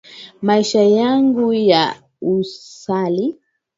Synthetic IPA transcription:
maiʃajaŋɡuja | usali

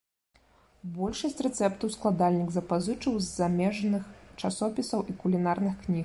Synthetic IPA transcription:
bɔlʲʂɐsʲt͡sʲrɛt̪sɛpt̪ɐwsklˠad̪alʲnʲɨɡzɐpazɨt͡ʂɐwzːamʲɛʐnɨxt͡ʂasɔpʲisɐwʔikulʲin̪arnɨxknʲix

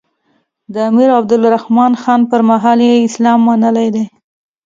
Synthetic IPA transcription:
d̪əamiɾab̚d̪ʊlɾahmɑnxɑnpəɾmaɦɑljeɪslɑmːanəlajd̪e

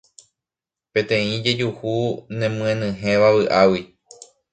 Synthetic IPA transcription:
pẽ̞t̪ẽ̞ĩd͡ʒe̞d͡ʒuhunẽmɨ̃ẽnɨ̃ɦẽ̞ʋaβɨʔawi

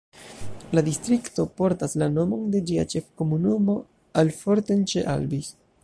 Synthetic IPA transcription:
ladistɾikto̞po̞ɾtaslano̞mo̞nde̞d͡ʒia̰t͡ʃe̞fko̞munumo̞ | alfo̞ɾtent͡ʃe̞ʔa̰lbis

